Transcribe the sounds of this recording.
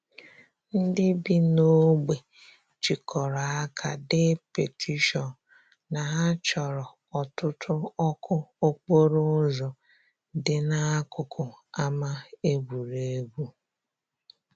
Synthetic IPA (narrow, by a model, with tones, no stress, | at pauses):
n̩˦dɪ˦bi˦no˦ɡ͡be˨ | t͡ʃi˨kʰɔ˨ɾa˨a˦kʰa˨dɪ˦pe˨tʰi˦ʃɔ˨n | na˨ɦa˦t͡ʃɔ˨ɾɔ˨ | ɔ˨tʊ˦tʰʊ˦ɔ˦kʰʊ˦o˦k͡po˦ɾo˦zɔ˨ | dɪ˨na˦kʊ˨kʰʊ˨a˦ma˦e˦bu˨ɾe˨e˦ɡu˦